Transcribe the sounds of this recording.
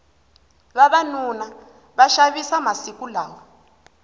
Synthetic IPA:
βaβanuna | βaʃaβisamasikulaːwɔ

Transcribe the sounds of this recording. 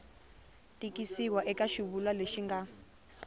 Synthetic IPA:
tʼikʼisikwaʔɛkʼaʃiβulwaleʃiŋɡa

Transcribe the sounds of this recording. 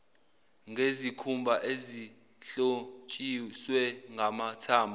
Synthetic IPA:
ŋʱezikʰumbʱaʔezi | ɬokʼiswɛŋɡʱamatʰaːmbʱa

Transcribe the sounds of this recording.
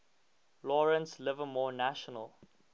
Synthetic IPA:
lɔɹə̃nslɪvəmɔːnæʃənəlˠ

